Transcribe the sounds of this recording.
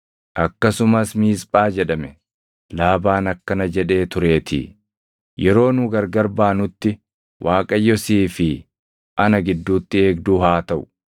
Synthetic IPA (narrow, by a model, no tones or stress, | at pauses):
ʔɐkːɐsʊmɐsmiːspʼaːd͡ʒɛᶑɐmɛ | laːbaːnɐkːɐnɐd͡ʒɛᶑe̞ːt̪ʊɾe̞ːt̪ʰɪ̰ː | jɛɾo̞ːnʊɡɐɾɡɐɾbaːnʊt̪ːɪ | wʔaːkʼɐjːɔsiːfɪ | ʔɐnɐɡɪd̪ːuːt̪ːɪe̞ːɡd̪uːhaːt̪ɐʔʊ̥